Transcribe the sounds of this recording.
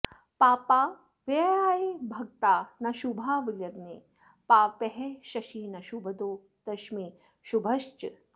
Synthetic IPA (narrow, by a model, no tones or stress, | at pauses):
paːpaː | ʋeaːjebʱɐk̚t̪aːnɐʃubʱaːʋiljɐɡneː | paːpeɦeʃɐʃiːnɐʃubʱɐd̪oː | d̪̥ɐʃmiː | ʃubʱɐʃt͡ʃ